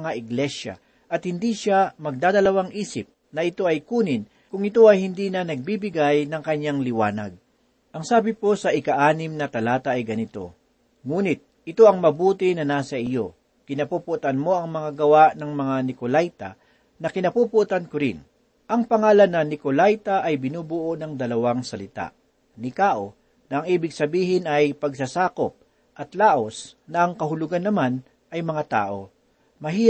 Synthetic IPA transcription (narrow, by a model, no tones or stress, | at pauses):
ŋaʔɪɡlɛʃa̰ | ʔɐt̪̚hɪnd̪iʃamɐɡ̚d̪aːd̪ɐlɐwaŋʔiːsɪp̚ | nɐɪt̪o̞ɐjkuːnɪn | kʊŋɪt̪o̞ɐjhɪnd̪inɐnɐɡ̚bibɪɡajnɐŋkɐɲːaŋlɪwa̰ːnɐ̰ɡ̚ | ʔɐŋsaːbɪpo̞sɐʔɪkɐʔaːnɪmnɐt̪ɐlaːt̪ɐʔɐjɡɐnɪt̪o̞̰ | ŋuːnɪt̪̚ʔɪt̪o̞ɐŋmɐbuːt̪ɪnɐnaːsɐɪjo̞ | kɪnɐpuːpʊʔt̪ɐnmo̞ʔɐŋmɐŋaɡɐwaʔnɐŋmɐŋanɪkolajt̪ɐ̰ | nɐkɪnɐpupʊʔt̪ankʊɾɪ̰n | ʔɐŋpɐŋaːlɐnːɐnɪkolajt̪ɐʔɐjbɪnuːbʊʔonɐŋd̪ɐlɐwaŋsɐlɪt̪a̰ʔ | nɪkaːʔo | nɐʔɐŋʔiːbɪɡ̚sɐbiːɦɪnɐjpɐɡsasaːkop̚ | ʔɐt̪laːʔo̞snɐʔɐŋkɐɦʊlʊɡanːɐman | ʔɐjmɐŋat̪a̰ːʔo̞ | mɐɦiː